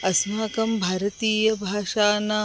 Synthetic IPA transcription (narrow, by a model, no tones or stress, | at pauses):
ɐsmaːkɐmbʱaːɾɐt̪iːjɐbʱaːʃaːnaː